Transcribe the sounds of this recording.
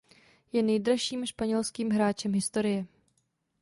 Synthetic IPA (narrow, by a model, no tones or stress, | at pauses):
jɛnɛjdɾaʃiːmʃpaɲɛlskiːmɦɾaːt͡ʃɛmɦɪst̪o̞ɾɪjɛ